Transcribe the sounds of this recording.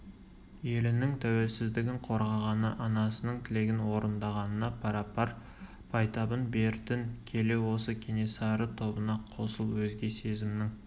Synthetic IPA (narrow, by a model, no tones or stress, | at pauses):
je̞lɪnɪŋt̪ʰæwe̞lsɪzd̪ɪɡʲɪɴqʰo̞ɾʁɑʁɑnəʔɑnɑsənəɴt̪ʰɪle̞ɡʲɪnwo̞ɾənd̪ɑʁɑnənɑpʰɑɾɑpɑɾ | pʰɑjt̪ɑbənbe̞ɾt̪ɪnkʲʰe̞le̞wo̞səkʲʰenesɑɾət̪ʰo̞bənɑqʰo̞səlˠwɵzɡʲe̞se̞zɪmnɪŋ